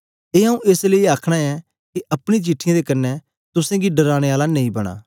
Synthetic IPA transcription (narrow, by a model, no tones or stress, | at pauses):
eːɦãũʔeːsleiaːkʰɽ̃aɛ | kiʔɐpɽ̃it͡ʃiʈʰːɪjãd̪ekɐnːɛ | t̪ʊsãɡiɖɐɾaːɽ̃eaːlanẽĩbɐɽ̃a̰ː